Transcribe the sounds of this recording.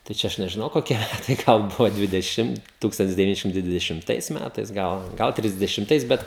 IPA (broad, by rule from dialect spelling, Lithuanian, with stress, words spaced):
tɐɪ ˈt͡ʃʲɛ ˈɐʃ nʲɛʒʲɪˈnɐʊ koːˈkʲɛ tɐɪ ˈɡɐlˠ ˈbʊʋoː dʲʋʲɪdʲɛˈʃʲɪm ˈtuːkstɐnʲtʲɪs dʲɛʋʲɪˈnʲɪ ˈʃʲɪmtɐɪ dʲʋʲɪdʲɛʃʲɪmˈtɐɪs ˈmʲætɐɪs ˈɡɐlˠ ˈɡɐlˠ tʲrʲɪzʲdʲɛʃʲɪmˈtɐɪs ˈbʲɛt